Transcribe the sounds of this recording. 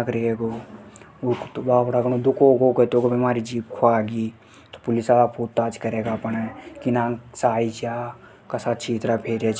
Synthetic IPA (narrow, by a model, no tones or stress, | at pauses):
ɐkɾeeːɡoː | kt̪baːbɽaɡəñod̪ʊkoːɡoːket̪oːɡobimaːɾid͡ʒiːbkʰoaːɡiː | t̪o̥pʊlɪsaːpʰuːt̪ːaːt͡ʃkɐɾeːɡapəɳekinãːsaːit͡ʃaː | kasaːt̪̚t͡ʃʰiːt̪ɾapʰeːɾeːt͡ʃ